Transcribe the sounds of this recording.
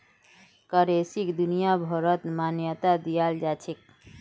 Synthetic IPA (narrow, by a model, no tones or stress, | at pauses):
kəɾesikd̪unijabʱɔɾət̪manjət̪ad̪ijald͡ʒat͡ʃʰek̚